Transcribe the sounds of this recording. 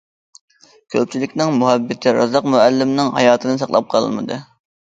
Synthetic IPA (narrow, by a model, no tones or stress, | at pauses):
kʲʰøp̚t͡ʃʰilɪkʲnɪŋmuɦɛbːɪt̪ʰɪɾɑzɑqmuælːɪmnɪŋhɑjɑːt̪ʰɨnɨsɑχlˠɑ̰p̚qʰɑlˠɨ̰lmɨ̰d̪ɨ